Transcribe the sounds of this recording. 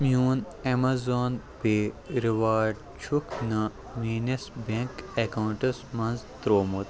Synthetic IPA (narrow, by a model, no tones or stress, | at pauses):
mjuːn | emazoːn | peːɾiʋaːɖ | t͡ʃʰukʰnɐ | miːnesbẽŋkekɐwuɳʈɐsmɐnzt̪ɾoːmut̪